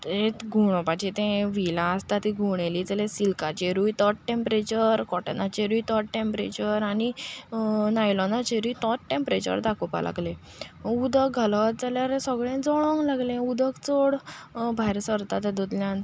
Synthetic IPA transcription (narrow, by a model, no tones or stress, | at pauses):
t̪et̪ɡʱuɽ̃ɔpad͡ʑet̪ẽʋilãəst̪at̪iɡʱuɽ̃eliːd͡zəlẽsilkat͡ɕeɾujt̪ɔʈ̚ʈẽmpɾet͡ɕəɾkɔʈənat͡ɕeɾujt̪ɔʈ̚ʈẽmpɾet͡ɕəɾani | najlɔnat͡ɕeɾujt̪ɔʈʈẽmpɾet͡ɕə̰ɾd̪akopa̰lʔa̰ɡle | ud̪ək̚ɡʱalət̪̚d͡zaljaɾesəɡɭẽd͡zɔɭɔ̃ŋɡlaɡlẽud̪əkt͡soɽbʱaɾsəɾt̪at̪ed̪od̪ljãn